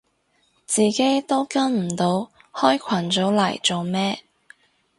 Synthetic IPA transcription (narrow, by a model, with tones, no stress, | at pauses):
t͡siː˨ke˨˥jt̪o˥wkɐ˥nm̩˨˩t̪o˨˧w | hɔː˥jkʷʰwɐ˨˩nt͡so˨˥wlɐ̰˨˩jt͡so˨wmɛː˥